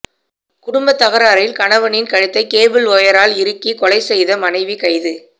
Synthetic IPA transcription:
kʊɽʊmbɐt̪ːɐɣɐɾaːɾɐjɪlkɐɳɐʋɐnɪnkɐɻɪt̪ːɐɪkeːbɪlɔjɐɾaːlɪɾɯkːikɔlɐɪsɛjðɐmɐnɐɪʋikɐɪðɯ

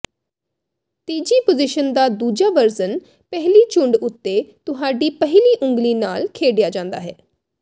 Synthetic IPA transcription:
t̪iːd͡ʒiːpozɪʃənd̪aːd̪uːd͡ʒaːʋəɾzən | pɛɦliːt͡ʃʊɳɖʊt̪ːeːt̪ʊɦaːɖiːpəɦliːʔʊ̃ŋɡliːnaːlkʰeːɖɪjaːd͡ʒãːnd̪a̰ːɦɛ̰ː

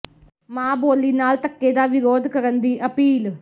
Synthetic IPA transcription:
maːboːlːinaːlt̪ɐkːeːd̪aːʋiɾoːd̪ʱɐkɐɾɐnd̪iʔɐpiːl

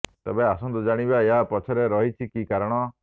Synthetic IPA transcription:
t̪ebeasɔnt̪ud͡ʒaɽ̃ibaeɦapɔt͡ʃʰɔɾeɾɔɦit͡ʃʰikikaɾɔɽ̃ɔ

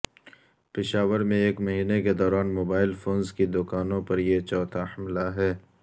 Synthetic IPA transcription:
pɪʃaːʋəɾmẽeːkmɐɦiːneked̪ɔːɾaːnmoːbaːɪlfʰoːnzkid̪ʊkaːnõpɐɾjet͡ʃɔːt̪ʰahɐmlaɦɛː

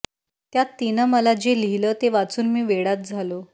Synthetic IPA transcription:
t̪jat̪ːinəməlad͡ʑelilət̪eʋat͡suːnmiːʋeɽat̪̚d͡zʱalo

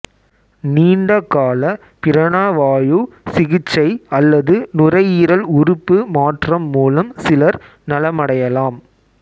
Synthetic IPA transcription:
niːɳɖɐkːaːlɐ | pɪɾɐɳaːʋaːju | sɪɣɪt͡ʃːɐɪɐlːɐðɯnʊrɐɪiːɾɐlʊɾʊpːɯmaːʈrɐmːuːlɐmsɪlɐɾ | nɐlɐmɐɽɐjɐlaːm

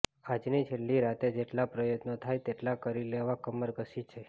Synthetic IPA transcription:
ad͡ʒnit͡ʃʰelːiɾat̪ed͡ʒeʈlapɾəjət̪not̪ʰajt̪eʈlakəɾileʋakəməɾɡəsit͡ʃʰe

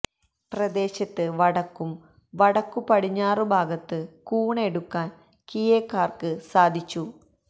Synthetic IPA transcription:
prɐd̪e̞ːɕɐt̪ːɨʋɐɽɐkːum | ʋɐɽɐkːupɐɽiɲːaːrɨbʱaːɡɐt̪ːɨkuːɳeɽukːaːn | kijeːkːaːrkɨsaːd̪ʱit͡ɕːu

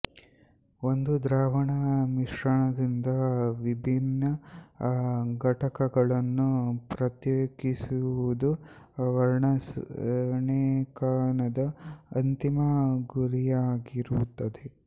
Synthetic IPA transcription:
ond̪ud̪ɾaːʋɐɳɐmiʂɾɐɳɐd̪ind̪ɐʋibʱinːɐ | ɡɐʈɐkɐɡɐɭɐnːupɾɐt̪joːɡisuʋud̪u | ʋɐɾɳɐs | ɳekaːɳɐd̪ɐːnt̪imɐɡuɾijaːɡiɾut̪ːɐd̪e̞

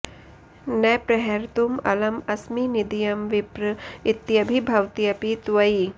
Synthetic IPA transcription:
nɛpɾɐɦeɾt̪umɐlɐmɐsminid̪ijɐmʋipɾit̪jɐbʱibʱɐwt̪ijɐpit̪ʋɐi

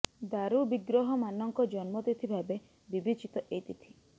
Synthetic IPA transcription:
d̪aɾubiɡɾɔɦɔmanɔŋkɔd͡ʒɔnmɔt̪et̪ʰibʱabe | bibit͡ʃit̪ɔʔejt̪it̪ʰi̥

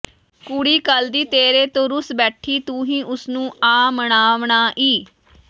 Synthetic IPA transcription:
kuɽiːkəld̪iːt̪eːɾeːt̪õːɾʊsbɛːʈʰːiːt̪ũːɦĩːʔʊsnũːaːməɳaːʋɳaːʔiː

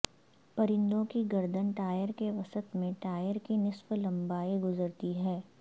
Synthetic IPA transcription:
pɐɾɪ̃nd̪õkiɡɐɾd̪ənʈaːjəɾkeʋɐsət̪mẽʈaːjəɾkinɪsʋlɐ̃mbaːeɡʊzəɾt̪iɦɛː

